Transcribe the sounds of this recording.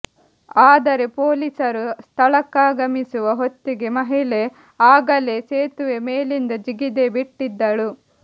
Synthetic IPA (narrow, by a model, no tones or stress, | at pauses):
aːd̪ɐɾepo̞ːlisɐɾust̪ʰɐɭɐkːaːɡɐmisuʋɐɦot̪ːiɡe̞mɐɦile | aːɡɐleseːt̪uʋemeːlind̪ɐd͡ʒiɡid̪ebiʈːid̪ːɐɭu